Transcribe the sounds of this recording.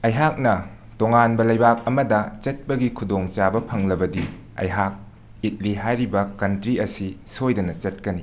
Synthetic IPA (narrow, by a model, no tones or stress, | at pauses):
ɐjɦak̚nɐ | toŋanbɐlɐjbak̚ɐmɐdɐt͡ʃɐt̚pɐɡikʰudoŋt͡ʃabɐpʰɐŋlɐbɐdi | ɐ̰jɦak̚ | it̚liɦajɾibɐkɐntɾiɐsisojdɐnɐt͡ʃɐt̚kɐni